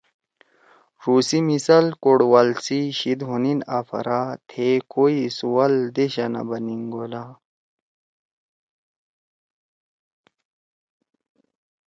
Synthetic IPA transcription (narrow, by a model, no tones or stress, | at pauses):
ɾuːsimisɐlkoɽwalsiɕid̪ɦuninafɐ̰ɾat̪ʰekoisuwɐld̪eɕɐnɐ̰bɐniŋɡola